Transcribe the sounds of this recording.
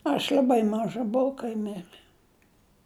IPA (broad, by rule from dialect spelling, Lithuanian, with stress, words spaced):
ɐʃ lʲɐˈbɐɪ ˈmɑːʒɐ bʊˈʋɐʊ kɐɪ ˈmʲɪrɘ